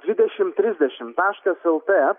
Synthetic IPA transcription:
d̪ʲʋʲɪd̪ʲɛʃʲɪmt̪ʲɾʲɪzʲd̪ʲɛʃʲɪmt̪ɑːʃkɐsɛlˠt̪e

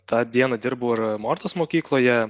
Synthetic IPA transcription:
t̪ɑːd̪ʲiɛnɐd̪ʲɪɾbuːɐɾmoːɾt̪oːsmoːkʲiːklˠoːjɛ

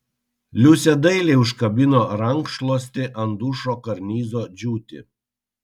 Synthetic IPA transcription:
lʲusʲɛd̪ɐɪlʲeɪʊʃkɐbʲɪnoːɾɐŋkʃlˠoːsʲt̪ʲɪʔɐnd̪uːʃoːkɐɾʲnʲiːzoːd͡ʒʲuːt̪ʲɪ̰

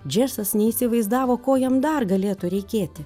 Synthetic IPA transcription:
d͡ʒʲæːsɐsnʲɛiːsʲɪʋɐɪzd̪ɑːʋoːkoːjɛmd̪ɐrɡɐlʲeːt̪ʊɾʲɛɪkʲeːt̪ʲɪ

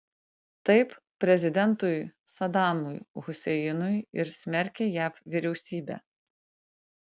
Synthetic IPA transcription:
t̪ɐɪp | pʲɾʲɛzʲɪd̪ʲɛnt̪ʊj | sɐd̪ɑːmʊjɣʊsʲɛjɪnʊjɪɾsʲmʲɛɾʲkʲejæːpʋʲɪɾʲɛʊsʲiːbʲæ̰ː

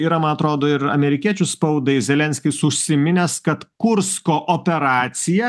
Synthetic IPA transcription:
iɾɐmɐnɐt̪ɾoːd̪oːɪɾɐ̰mʲɛɾʲɪkʲiɛt͡ʃʲʊspɐʊd̪ɐɪzʲɛlʲɛnʲsʲkʲɪsʊʃʲsʲɪmʲɪnʲɛskɐt̪kʊɾskoːʔoːpʲɛɾɑːt̪sʲɪjɛ

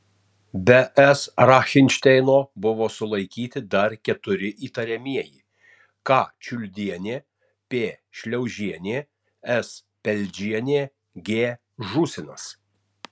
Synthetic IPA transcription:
bʲɛʔɛsɾɑːxʲɪnʲʃʲt̪ʲɛɪnoːbʊʋoːsʊlˠɐɪkʲiːt̪ʲɪd̪ɐɾkʲɛt̪ʊɾʲɪʔiːt̪ɐɾʲɛmʲiɛjḭː | kɑːt͡ʃʲʊlʲd̪ʲiɛnʲeː | pʲeːʃʲlʲɛʊʒʲiɛnʲeː | ɛs | pʲɛlʲd͡ʒʲiɛnʲeː | ɡʲeː | ʒusʲɪnɐs

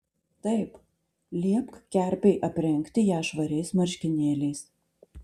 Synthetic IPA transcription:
t̪ɐɪp | lʲiɛpkkʲæˑɾʲpʲɛɪʔɐpʲɾʲɛŋʲˑkʲt̪ʲɪjæːʃʋɐɾʲɛɪsmɐɾʲʃʲkʲɪnʲeːlʲɛɪs

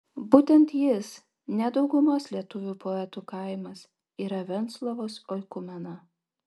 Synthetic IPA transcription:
buːt̪ʲɛnt̪jɪs | nʲɛd̪ɒʊɡʊmoslʲiɛt̪ʊʋʲuːpɔɛt̪uːkɐˑɪmɐs | iːɾɐʋʲɛnt̪slˠoʋoːsɔɪkʊmʲɛnɐ

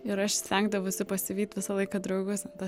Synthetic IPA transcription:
ɪɾɐʃsʲtʲɛŋɡd̪ɐʋoʊsʲɪpɐsʲɪʋʲiːt̪ʲʋʲɪsɐlˠɐɪkɑd̪ɾɐʊɡʊsɐnt̪ɐ

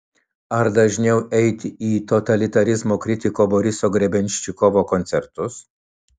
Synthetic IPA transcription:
ɐɾd̪ɐʒʲnʲɛʊʔɛɪt̪ʲɪiːt̪ɔt̪ɐlʲɪt̪ɐɾʲɪzmoːkɾʲɪt̪ʲɪkoːbɔɾʲɪsoːɡɾʲɛbʲɛnʲʃʲt͡ʃʲɪkɔʋoːkɔnʲt̪sʲɛɾt̪ʊs

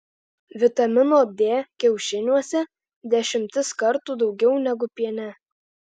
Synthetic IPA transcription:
ʋʲɪt̪ɐmʲɪnoːd̪ʲeːkʲɛʊʃʲɪnʲuɔsʲɛ | d̪ʲɛʃʲɪmʲt̪ʲɪskɐɾt̪uːd̪ɒʊɡʲɛʊnʲɛɡʊpʲiɛnʲɛ

